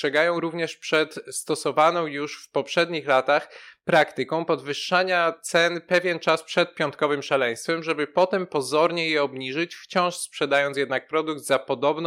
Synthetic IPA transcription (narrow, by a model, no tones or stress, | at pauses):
ʂɛɡajɔ̃w̃ɾuvɲɛʂpʂɛt̪st̪ɔsɔvanɔ̃w̃juʂfpɔpʂɛd̪ɲixlat̪axpɾakt̪ɘkɔ̃w̃pɔd̪vɘʂːaɲat̪sɛnpɛvʲjɛnt͡ʂaspʂɛt̪̚pʲjɔnt̪̚kɔvɘmʂalɛj̃st̪fɛmʐɛbɘpɔt̪ɛmpɔzɔɾɲɛjɛɔbɲiʐɘt͡ɕft͡ɕɔ̃w̃ʂspʂɛd̪ajɔnt̪sjɛd̪nak̚pɾɔd̪ukd̪zapɔd̪ɔbn